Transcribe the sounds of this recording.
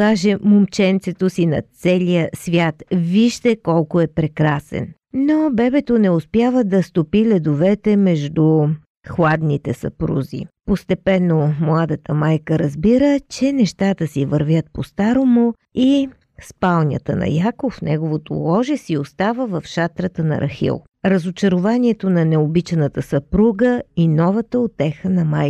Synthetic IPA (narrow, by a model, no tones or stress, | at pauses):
aʒɛmomt͡ʃɛnt̪sɛt̪osinɐ̰t̪sɛlʲijəsvʲjat̪viʒd̪ɛkɔlˠkʊɛpɾɛkɾasɛ̰n | nobɛbɛt̪onɛʊspʲjavəd̪ɐst̪opilɛd̪ovɛt̪ɛmɛʒd̪u | xlˠad̪nit̪ɛsɐ̰pɾṵzḭpost̪ɛpɛnːomlˠad̪ət̪əmajkəɾɐzbiɾət͡ʃɛnɛʃt̪at̪əsivəɾvʲjət̪̚post̪aɾomo | i | spalˠnʲə̰t̪ə̰nɐ̰jakofnɛɡovot̪o̰lˠɔʒɛsiost̪avəvɐfʃat̪ɾət̪ənɐ̰ɾʔɐ̰xḭlˠ | ɾɐzot͡ʃɐɾʊvaniɛt̪onɐnɛobit͡ʃɛnət̪əsɐpɾuɡəinɔvət̪əot̪ɛxənɐmaj